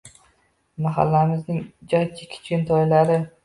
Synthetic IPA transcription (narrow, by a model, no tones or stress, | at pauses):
maɦa̰lːamɪznɪŋd͡ʒɒjt͡ʃʰɪkʲʰɪ̥t͡ʃʲɪnt̪ʰɒjlaɾɪ